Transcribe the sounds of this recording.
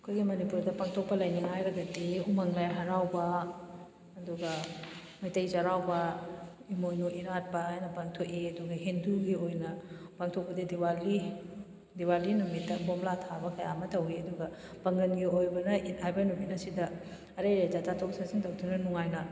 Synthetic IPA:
ɐkʰojɡimɐnipuɾdɐpaŋtʰok̚pɐlɐjniŋɦajɾɐɡɐtiumɐŋlajɦaɾawbɐ | ɐduɡɐ | mɐjtɐjzɐɾawbɐimojnuʔiɾat̚pɐɦajnɐpaŋtʰokiɐduɡɐɦinduɡiojnɐpaŋtʰok̚pɐdidiwali | diwalinumit̚dɐbomlatʰabɐkɐja̰mɐtɐwiɐduɡɐ | pɐŋɡɐnɡiojbɐnɐithajbɐnumit̚nɐsidɐ | ɐɾɐjɾɐjzat͡ʃatʰok̚saziŋtɐwdunɐnuŋajnɐ

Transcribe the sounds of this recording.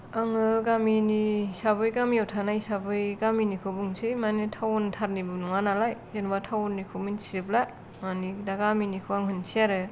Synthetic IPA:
aŋɯɡaminisabɯjɡamiɔtʰanajsabɯjɡaminikʰɯbɯŋsɯjmanɯtʰawntʰaɾnibɯnuŋanalajzenbatʰawnːikʰɯminsiɯbla | manidaɡaminikʰɯaŋɦɯnsʰiaɾɯ

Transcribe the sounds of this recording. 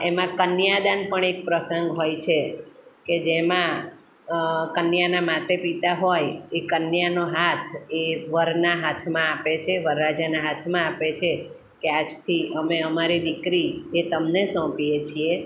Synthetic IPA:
emãkənjad̪anpəɳek̚pɾəsəŋɡɦojt͡ʃʰeked͡ʒemã | kənjanamat̪epit̪aɦojekənjanoɦat̪ʰeʋəɾnaɦat̪ʰmãapet͡ʃʰeʋəɾːad͡ʒanaɦat̪ʰmãapet͡ʃʰe | kead͡ʒt̪ʰiəmeəmaɾid̪ikɾiet̪əmnesɔ̃pijet͡ʃʰie

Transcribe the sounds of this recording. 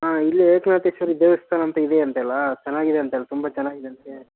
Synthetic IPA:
aːilːɐeːknaːt̪esɐɾid̪eːʋɐst̪ʰaːnɐnt̪ɐid̪eɐnt̪ɛlːɐt͡ʃɛnːaːɡid̪eɐnt̪ɛlːɐt̪umbɐt͡ʃɛnːaːɡid̪eɐnt̪e

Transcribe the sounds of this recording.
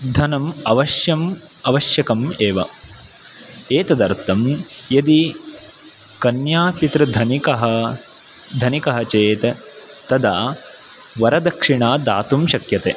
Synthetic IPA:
d̪ʱɐnɐmɐʋɐʃjɐm | ɐʋɐʃjɐkɐmeːʋɐ̰ | eːt̪ɐd̪ɐɾt̪ɐm | jɐd̪i | kɐnjaːpit̪ɾɐd̪ʱɐnikɐɦɐ | d̪ʱɐnikɐɦɐt͡ʃeːt̪ɐ | t̪ɐd̪ʱaː | ʋɐɾɐd̪ɐkʂiɳaːd̪a̰ːt̪umʃɐkjɐt̪ḛː

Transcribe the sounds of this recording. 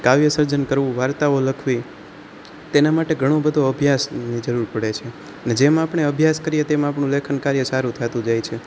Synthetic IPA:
kaʋjəsəɾd͡ʒənkəɾʋũʋaɾt̪aoləkʰʋi | t̪enamaʈeɡʱəɽ̃õbəd̪ʱoəbʱjasnid͡ʒəɾuɾpəɽet͡ʃʰe | əned͡ʒemãapɳ̃eəbʱjaskəɾijet̪emãapɳũlekʰənkaɾjəsaɾũt̪ʰat̪ũd͡ʒajt͡ʃʰe

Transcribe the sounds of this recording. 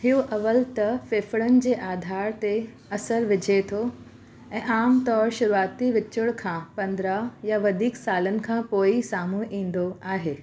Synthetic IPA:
ɦɪoʔɐʋəlt̪ɐfɪːfɪɽənɪ̆d͡ʑeːʔaːd̪ʱaːɾt̪e | ɐsəɾʋɪd͡ʑʱet̪ʰo | ɛ̃ːʔaːmt̪ɔːɾʃʊɾuaːt̪iʋɪt͡ɕʊɽ̃kʰãːpɐ̃nd̪ɾajaʋɐd̪ʱiːksaːlənɪ̆kʰãːpoːisaːmuʔĩːn̆d̪oaːɦeː

